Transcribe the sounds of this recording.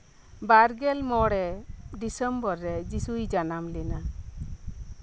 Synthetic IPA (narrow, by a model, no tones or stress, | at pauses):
baɾɡɛlmɔɽɛɖisəmbɔɾːɛd͡ʒisujd͡ʒanamlɛna